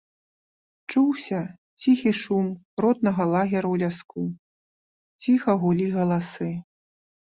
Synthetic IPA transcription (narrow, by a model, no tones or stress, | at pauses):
t͡ʂuwsʲɐ | t͡sʲixiʂum | ɾɔt̪nɐɣɐlˠaɣʲɛɾɐwlʲasku | t͡sʲixɐɣulʲiɣɐlˠasɨ